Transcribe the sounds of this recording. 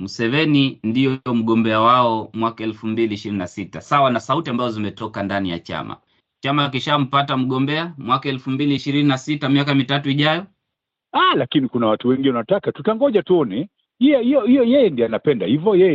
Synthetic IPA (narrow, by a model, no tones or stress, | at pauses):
musɛvɛnindijɔɔm̩ɠɔmbɛawaɔmwakaɛlfumbiliːʃiɾininasitasawanasautiambazɔzimɛtɔkandanija̰t͡ʃa̰ma̰ | t͡ʃamak̬iʃam̩patam̩ɠɔmbɛamwakaɛlfumbiliːʃiɾininasitamiakamitatuiʄajɔ | alakinikunawatuwɛŋɡinɛnatakatutaŋɡɔʄatuɔnɛ | hijɔhijɔhijɔjɛjɛndiɔanapɛndahivɔjɛjɛ